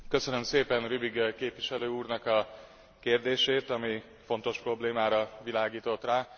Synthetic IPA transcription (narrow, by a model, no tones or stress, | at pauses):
kø̞sø̞nø̞mseːpɛnrybiɡkeːpʋiʃɛløːuːrnɒkɒ | keːrd̪eːʃeːt̪ɒmi | fo̞nt̪o̞ʃpro̞bleːmaːɾɒʋilaːɡiːt̪o̞t̪raː